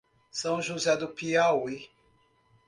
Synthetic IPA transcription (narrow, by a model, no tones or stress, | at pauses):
sɐ̃w̃ʒuzɛd̪ʊpiawi